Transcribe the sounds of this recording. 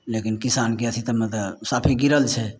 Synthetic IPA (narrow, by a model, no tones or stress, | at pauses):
lekinkisankeət̪ʰit̪əmet̪əsapʰiɡiɾəlt͡ʃʰɛ